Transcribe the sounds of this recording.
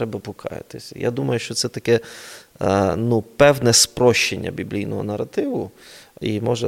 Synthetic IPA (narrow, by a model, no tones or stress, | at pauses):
ɾɛbɐpʊkʰɑ̰jɪ̰t̪ɪsʲɐja̰d̪umɐjʊʃt͡ʃɔt̪sɛt̪ɐkɛ | nupɛwnɛspɾɔʃt͡ʃːenʲːɐ̰bʲiblʲijnɔɦɔ̰nɐrɐt̪ɪʋʊ | imɔʒɛ